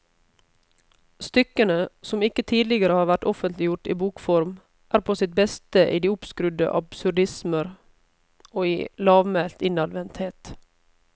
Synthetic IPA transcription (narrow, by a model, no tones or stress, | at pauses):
st̪ʏkənəsɔmɪkət̪ʰiːd̪lɪɡəɾəhɑːɾʋæʈɔfənt̪lɪjʊʈḭːbuːkfɔɾm | ʔæːɾpʰoːsɪt̪̚bɛst̪əʔḭːd̪iːʊpskɾʉd̪ə̰ʔɑb̥sʉɾɖɪsməɾ | oːiːlɑːʋmɛlt̪ɪnɑd̪ʋɛnt̪heːt̪